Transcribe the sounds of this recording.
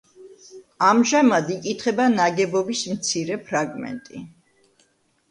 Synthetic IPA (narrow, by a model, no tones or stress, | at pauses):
amʒamad̪ikʼit̪ʰχɛbanaɡɛbɔbismt̪sʰiɾɛpʰɾaɡmɛ̰nt̪ʼḭ